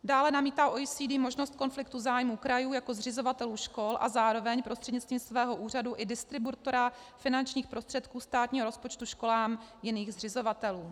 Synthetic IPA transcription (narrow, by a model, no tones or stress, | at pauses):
daːlɛnamiːt̪aːʔoisiːdɪmo̞ʒnost̪̚ko̞nflɪkt̪uzaːjmuːkɾajuːjako̞zrɪzo̞vat̪ɛluːʃko̞lʔa̰zaːɾo̞vɛɲpɾost̪r̝̥ɛdɲɪt͡st̪viːmsvɛːɦo̞ʔuːr̝aduʔɪdɪst̪ɾɪbut̪o̞ɾa | fɪnant͡ʃɲiːxpɾo̞st̪r̥ɛt̪kuːst̪aːt̪ɲiːɦoɾospo̞t͡ʃt̪uʃko̞laːmjɪniːɣzrɪzo̞vat̪ɛluː